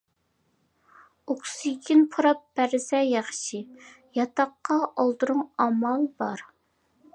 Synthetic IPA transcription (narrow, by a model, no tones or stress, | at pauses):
okʲsɨɡʲʰinpʰoɾɑp̚bæɾsɛjɑχʃi | jɑt̪ɑqːɑʔɑlˠd̪ɨɾʊŋɑmɑlˠbɑɾ